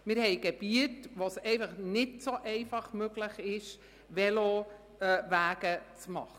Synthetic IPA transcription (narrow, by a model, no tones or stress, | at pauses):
mɪɾhɛɪɡ̥ɛb̥iətʋosɛɪfɑχnɪtsoʔɛɪfɑχmøɡlɪχɪʃ | ʋɛlo | væːɡ̥ət͡smɑ̰χ